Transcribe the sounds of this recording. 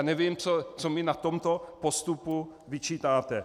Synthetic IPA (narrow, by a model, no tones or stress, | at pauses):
nɛvimt͡sot͡somɪnat̪omt̪opost̪upu | vɪt͡ʃiːt̪aːt̪ɛ